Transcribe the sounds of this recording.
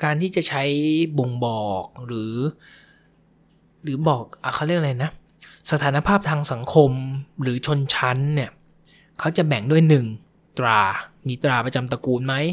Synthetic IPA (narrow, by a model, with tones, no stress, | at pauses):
kaː˧nt̪ʰiː˥˩t͡ɕa˨˩t͡ɕʰa˦˥jbo˨˩ŋbɔː˨˩k̚ɾɯː˩˦ | ɾɯː˩˦bɔː˨˩k̚ʔa˨˩xʰa˦˥˩wɾi˥˩ək̚ʔla˧jna˦˥ | sa˧t̪ʰaː˩˦na˧pʰaː˥˩p̚t̪ʰaː˧ŋsa˩˦ŋkʰo˧mɾɯː˩˦t͡ɕʰo˧nt͡ɕʰa˦˥nːi˥˩ɐ | kʰa˦˥wt͡ɕa˨˩bɛ˨˩ŋdu˥˩əjnɯ˨˩ŋ | t̪ɾaː˧miː˧t̪ɾaː˧pɾa˧t͡ɕa˧mt̪a˧kuː˧nma˦˥j